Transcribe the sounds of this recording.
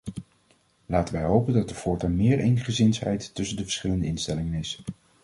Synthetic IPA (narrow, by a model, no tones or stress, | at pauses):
laːtənʋɛjɦowpəndɑt̚dəfʊːɹtamɪːɹejnχəzɪnsɦɛ̰jtːɵsəndəvə̥ɹsχɪləndəɪnstɛlɪŋənɪs